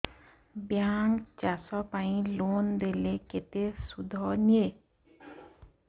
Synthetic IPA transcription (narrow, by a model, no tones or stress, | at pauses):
bjaŋkt͡ʃasɔpaĩlond̪eleket̪esud̪ʱɔnie